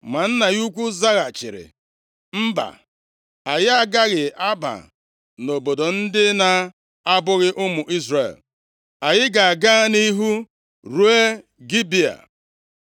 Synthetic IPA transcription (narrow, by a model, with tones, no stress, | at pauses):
ma˨n̩˦na˨ju˦kʷu˦za˦ɣa˨t͡ʃɪ̰˨ɾɪ̰˨ | m̩˦ba̰˨ | a˨jɪ˦a˦ɡa˦ɣɪ˨a˦ba̰˨ | no˨bo˨do˨n̩˦dɪ˦na˨ | a˦bʊ˦ɣɪ˦ʔʊ˦mʊ˨ʔi˦zre˨l | a˨jɪ˦ɡa˨a˨ɡa˦ni˦ɦu˦ | ɾu˦e˦ | ɡi˦bi˦a̰˨